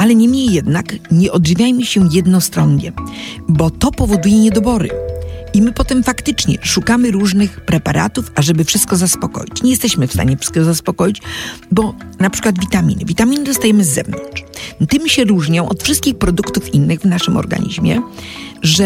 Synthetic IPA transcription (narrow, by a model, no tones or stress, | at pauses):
ʔalɛɲɛmɲejːɛd̪nakɲɛʔɔd̪ʐivʲjajmɘɕɛjɛd̪nɔst̪ɾɔnɲɛ̰bɔt̪ɔpɔvɔd̪ujɛɲɛd̪ɔbɔɾɘ̰imɘpɔt̪ɛmfakt̪ɘt͡ʂɲɛ̰ʂukamɘɾuʐnɘxpɾɛpaɾʔa̰t̪ufaʐɛbɘfʂɨst̪̚kɔzaspɔkɔ̰jit͡ɕɲɛjɛst̪ɛɕmɘfst̪a̰ɲɛfʂɘ̥st̪kɔzaspɔkɔjit͡ɕbɔnapʂɘ̥kwad̪vʲit̪amʲḭnɘvʲit̪amʲinɘzɔst̪ajɛmɘzːɛ̰vnɔ̰nt͡ʂt̪ɘmɕɛɾuʐɲɔ̃w̃ʔɔt̪fʂɨst̪̚kʲixpɾɔd̪ukt̪ufinːɘɣvnaʂɘmɔ̰ɾɡa̰ɲḭʑmʲjɛ̰ | ʐɛ